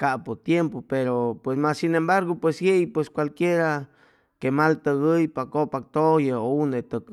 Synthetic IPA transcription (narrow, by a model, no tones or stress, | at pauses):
kapot̪jempopeɾopwesmasːinembaɾɡopwesjejpweskwalkjeɾa | kemalt̪əɣəjpakopak̚t̪ojəunet̪ək